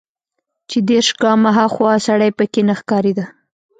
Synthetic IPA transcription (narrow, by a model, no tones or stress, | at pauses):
t͡ʃed̪eɾʃɡɑmaɦaxwɑsaɽajpəkenaxkɑɾed̪a